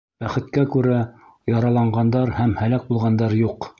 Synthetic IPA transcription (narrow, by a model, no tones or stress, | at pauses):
b̥æχɘ̆t̪kækʉɾæ | jɑɾɑlˠɑɴɢɑnd̪ɑɾhæmhælæk̚bulˠʁɑnd̪ɑɾjuq